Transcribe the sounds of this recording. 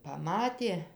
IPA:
pɐˈmɑːtʲeː

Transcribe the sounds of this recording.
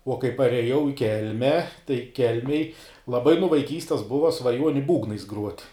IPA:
uɔ kɐɪ pɐrʲɛˈjɛʊ ɪ ˈkʲɛlʲmʲɛ tɐɪ ˈkʲɛlʲmʲeːj lˠɐˈbɐɪ nʊ ʋɐɪˈkʲiːsʲtʲɛs ˈbʊʋɐ sʋɐˈjuɔnʲɪ ˈbuːɡnɐɪs ɡruɔtʲ

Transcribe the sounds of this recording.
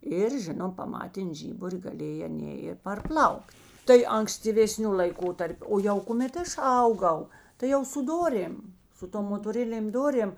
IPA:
ˈɪr ˈʒʲɪnoːm pɐˈmɑːtʲeːn ˈʒʲiːbʊrʲɪ ɡɐˈlʲeːj ɐˈnʲeː ɪ pɐrˈplˠɐʊkt tɐɪ ɐŋksʲtʲiːʋʲeːˈsʲnʲʊ lˠɐɪˈkoːtɐrʲpʲʊ ˈoː jɛʊ kʊˈmʲeːt ˈɐʃ ˈɐʊˌɡɐʊ tɐɪ ˈjɛʊ sʊ ˈdoːrʲeːm sʊ ˈtoːm moːtoːˈrʲɪnʲeːm ˈdoːrʲeːm

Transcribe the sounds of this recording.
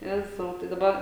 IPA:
ˈjæːzɐʊ tɐɪ dɐˈbɐ

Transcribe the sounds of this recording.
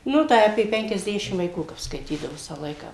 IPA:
ˈnʊ tɐɪ ɐpʲeː pʲɛŋʲkʲɛzʲˈdʲæːʃʲɪm ʋɐɪˈkuː kɐp skɐɪˈtʲiːdɐʋoː ˈʋʲɪsɑː ˈlˠɐɪkɑː

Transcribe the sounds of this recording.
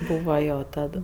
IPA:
ˈbuːʋɐ ˈjoː ˈtɐt

